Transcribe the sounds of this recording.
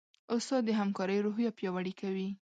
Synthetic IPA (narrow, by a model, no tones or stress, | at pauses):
ost̪ɑd̪əɦamkɑɾəjɾoɦjapjɑwaɽikawi